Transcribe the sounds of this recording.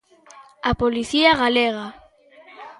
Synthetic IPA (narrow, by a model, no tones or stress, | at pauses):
apoliθiaɣaleɣ̞a